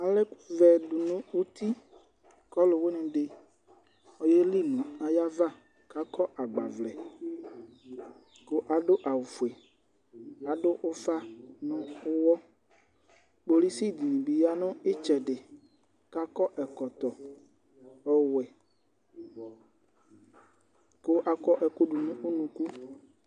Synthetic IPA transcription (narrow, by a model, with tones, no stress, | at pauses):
a˨le˦ku˦vɛ˨ɖu˨nũ˦wo˦t̪i˦ | kɔ˦lo˨wo˦nẽ˨ɖe˨ | ɔ˦je˦li˦nũ˨a˨ja˦va˦˨ | ka˦kɔ˦ʔa˨ɡ͡ba˨vlɛ˨ | ko˦ʔa˨ɖo˦ʔa˨wo˨fu˨ɛ˨ | a˨ɖo˦ʔo˦fa˦nõ˦o˦wɔ˦ | k͡po˨li˦si˦d̪i˨nĩ˨bi˨ja˦nõ˦e˦t͡ʃɛ˨ɖɪ˨ | ka˦kɔ˦ʔɛ˨kɔ˨t̪ɔ˨ | ɛ˦wɛ˨ | ko˦ʔa˨kɔ˦ʔɛ˨ko˦ɖu˨nũ˦o˦nũ˨ku˦